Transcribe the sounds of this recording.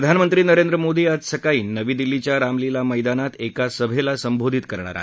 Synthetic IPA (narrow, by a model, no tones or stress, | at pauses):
ɾəd̪ʱanmənt̪ɾiːnəɾẽnd̪ɾəmod̪iːad͡zsəkaiːnːəʋiːd̪ilːit͡ɕjaɾamlilaməjd̪anat̪ekasəbʱelasəmbʱod̪ʱit̪kəɾɳa̰ɾa̰ɦ